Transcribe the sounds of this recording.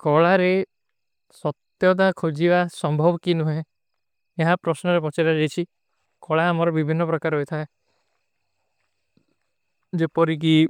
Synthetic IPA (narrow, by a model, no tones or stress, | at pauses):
kɔɭaɾe | sɔt̪jɔd̪̬akʰod͡ʒibasɔmbʱɔbɔkinuɦẽ | eɦapɾɔsnɔɾepɔt͡ʃaɾad͡ʒejt͡ʃʰi | kɔɭaːmɔɾɔbibʱinːɔpɾɔkaɾɔɦojt̪ʰae | d͡ʒepɔɾik̬i